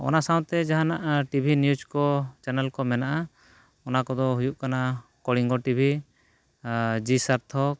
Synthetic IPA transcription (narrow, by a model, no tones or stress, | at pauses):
ɔ̰nasãw̃t̪ɛd͡ʒaɦanaʔʈibʱinjud͡ʒkɔt͡ʃɛnɛlkɔmɛnaʔa | ɔnakɔd̪ɔɦujuʔkanakɔɽiŋɡɔʈibʱi | d͡ʒisaɾt̪ʰɔk̚